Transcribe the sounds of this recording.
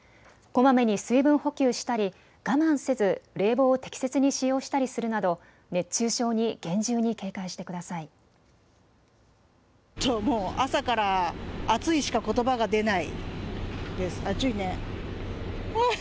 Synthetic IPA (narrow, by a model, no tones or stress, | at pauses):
ko̞mame̞ɲ̟isɨibɯ̟̃ɰ̃ho̞kʲɨːɕi̥t̪aɾʲi | ɡ̥amãɰ̃se̞zɨɾe̞ːbo̞ːt̪e̞kʲi̥se̞t͡sɨɲ̟iɕijo̞ːɕi̥t̪aɾʲisɨɾɯ̟nad̪o̞ | ne̞t͡ɕɨːɕo̞ːɲ̟iɡ̥ẽ̞ɲ̟d͡ʑɨːɲ̟ike̞ːkaiɕi̥t̪ekɯ̟d̪asai | t̪ʰːomoːasakaɾaːt͡sɨiɕi̥kako̞t̪o̞baɡad̪e̞naḭ | d̪e̞sɨ̥at͡ɕoine